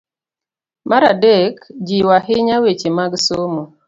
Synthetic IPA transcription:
maɾadekd͡ʒiwaɦɪɲawet͡ʃemaɡsomo

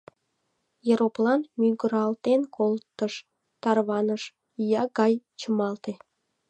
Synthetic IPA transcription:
jeɾoplɑnmyɡəɾɑlt̪enkʰolt̪ːəʃ | t̪ɑrβɑnəʃ | jɑɡɑjt͡ɕəmɑlt̪e

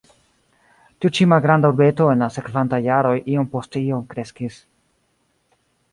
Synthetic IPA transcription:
tiut͡ʃimalɡɾandauɾbe̞to̞e̞nlase̞kvantajːaɾo̞jʔio̞mpo̞steio̞mkɾe̞skis

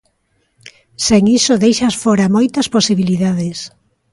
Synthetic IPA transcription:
seŋisoðejʃɐsfoɾɐmojt̪ɐsposiβiliðaðes

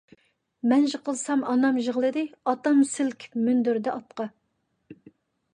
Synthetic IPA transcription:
mɛnʒəqəlˠsɑmɑnɑmʒəʁlˠɨd̪ɨɑt̪ɑmsɪlkʲʰmynd̪yɾd̪ɛʔɑt̪̚qɑ

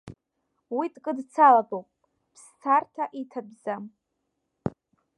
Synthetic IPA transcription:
witʼkʼɨdt͡sʰalabowpʼ | pʰst͡sʰartʰaʔitʰabzam

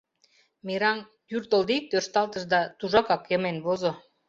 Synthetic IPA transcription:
miɾɑŋ | j̪yrt̪ə̆ld̪ik̚t̪ørʃt̪ɑlt̪ə̆ʃd̪ɑt̪uʒɑkɑkjəmenβozo

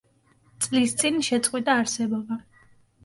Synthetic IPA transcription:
t̪sʼlist̪sʼinʃɛt̪sʼqʼwit̪ʼaːɾsɛbɔba

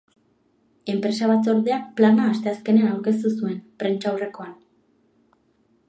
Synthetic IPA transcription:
e̞mpɾe̞saβat̪o̞ɾðe̞akplanaːst̪e̞aske̞neanawɾke̞s̬t̪usue̞npɾe̞nt͡ʃawre̞ko̞an

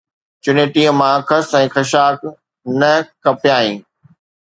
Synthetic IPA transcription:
t͡ɕʊneːʈiə̃mãkʰɐsɛ̃ːxɐʃaːk | nɐkɐpjaːĩː

